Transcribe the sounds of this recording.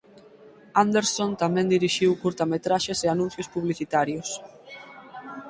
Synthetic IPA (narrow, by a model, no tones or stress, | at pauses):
and̪eɾsõnt̪amɛ̃nd̪iɾiʃiwkuɾt̪amet̪ɾaʃeseanũn̟θjʊspuβliθit̪aɾjʊs